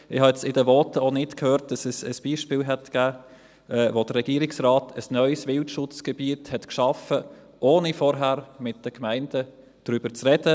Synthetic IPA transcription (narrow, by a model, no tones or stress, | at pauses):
ɪhɑɛt͡sɪdəʋɔːtəonɪtkʰhøːɾt̚d̥ɑsɛsəsb̥iːʃpiːlɦɛtɡ̥æː | ɛːvod̥əɾrːɛɡ̥iːəɾɪksʁaːtʰəsnœʏsʋɪltʃʊt͡sɡ̥ɛbiəthɛtkʃɑfə | ʔoːnifɔɾɦæːɾmɪt̚d̥əkmæɪnd̥ə | d̥ɾyb̥əɾt͡sʁɛd̥ə